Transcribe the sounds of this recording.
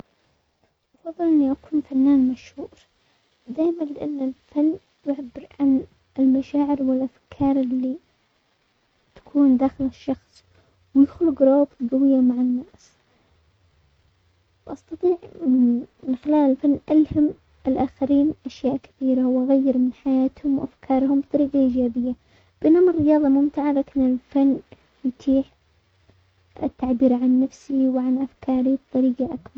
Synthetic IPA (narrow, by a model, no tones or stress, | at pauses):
ʔɑfɑðˤːɨlʔɪnːiʔakuːnfanːaːnmaʃhuːɾ | d̪aːjmanlɪʔanːɪlfanː | jʊʕabɪɾʕan | ɪlmaʃaːʕɪɾwɪlʔafkʰɑːɾˤɪlːi | t̪ḁkʰuːnd̪aːxɪlɪʃːɑxsˤ | wjʊxlʊɡɾˤoːt̪ɡawɪjːamaʕɪnːaːs | wʔɑst̪ɑt̪ˤiːʕ | mɪnxɪlaːlɪlfanːʔalham | ʔɪlʔaːxaɾiːnʔaʃjaːʔkḁθiːɾawʔaɣajːɪɾmɪnħajaːt̪hʊmwʔafkʰɑːɾˤhʊmbt̪ˤɑɾiːɡaʔiːd͡ʒaːbɪjːa | b̥ʔɪnːamɪrːɪjɑːðˤɑmʊmt̪ɪʕalaːkɪnɪlfanː | jt̪ʰiːħ | ɪ̰t̪ːaʕbiːɾʕanːafsiwʕanʔafkʰɑːɾib̚t̪ˤɑɾiːɡaʔakbɑɾˤ